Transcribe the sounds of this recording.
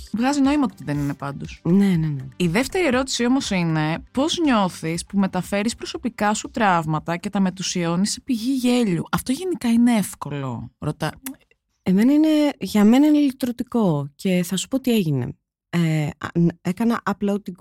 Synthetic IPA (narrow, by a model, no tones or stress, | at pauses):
vɣɐzino̞imɐot̪iðeninepɐnd̪osneneneiðe̞ft̪e̞ɾie̞ɾo̞t̪i̥sio̞mo̞sine̞po̞zɲo̞θispume̞t̪ɐfe̞ɾispɾo̞so̞pikɐsut̪ɾɐvmɐt̪ɐce̞t̪ɐme̞t̪usio̞nisi̥piʝiʝe̞ʎuʔɐft̪o̞ʝe̞nikɐineefko̞lo̞̰ɾo̞t̪ɐ | emenɐineʝɐme̞nɐineilit̪ɾot̪iko̞ce̞θɐsu̥pot̪ie̞ʝine̞̰ | ḛ | ekɐnɐʔɐplɐot̪iɡ